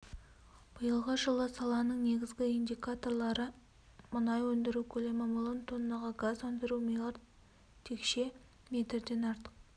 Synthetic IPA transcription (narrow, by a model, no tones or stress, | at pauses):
b̥ʊjəlˠʁəʒəlˠəsɑlˠɑnəɴne̞ɡʲɪzɡʲɪind̪ʲijkat̪o̞rlˠɑɾə | mʊnɑjwɵnd̪ɪɾuwkʲʰɵle̞mɪmolˠɪnt̪ʰonːɑʁɑɡazwɵnd̪ɪɾumejlˠɑɾ | t̪ʰe̞kʃe̞ | mʲe̞t̪ɾd̪e̞nɑɾt̪ə̥q̚